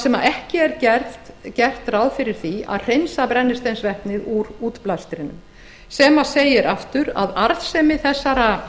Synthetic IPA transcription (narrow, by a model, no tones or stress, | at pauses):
sɛmaɛhcɪɛɾcɛɾt̪cɛr̥t̪rawðfɪɾɪɾ̥θia̰ðr̥ejnsapɾɛnːɪst̪ejnsvɛhpnɪðuɾuːt̪plast̪ɾɪnʏ̰m | sɛːmaseːjɪɾʔaft̪ʏɾa̰ðaɾðsɛmɪθɛsːaɾa